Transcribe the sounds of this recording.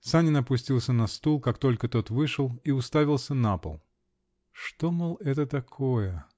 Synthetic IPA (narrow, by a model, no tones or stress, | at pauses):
sanʲɪnɐpʊsʲtʲilˠsʲənɐst̪ulˠkakt̪o̞lʲkət̪o̞t̪vɨʂɨlˠiʊst̪avʲɪlˠsʲənapə̰lˠ | ʂt̪omɨlˠɛt̪ət̪ɐkʰojə